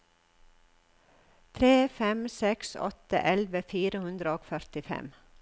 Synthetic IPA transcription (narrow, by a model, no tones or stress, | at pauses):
t̪ʰɾeːfɛmsɛksɔ̰t̪ə̰ʔɛlʋəfiːɾəhʉnd̪ɾəoːkfœɾt̪ɪfɛ̰m